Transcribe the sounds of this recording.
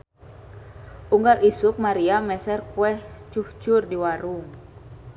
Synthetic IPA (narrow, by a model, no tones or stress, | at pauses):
ʔuŋɡalisʊk̚maɾiamɛsɛrkuɛht͡ʃuht͡ʃʊrdiwaɾuŋ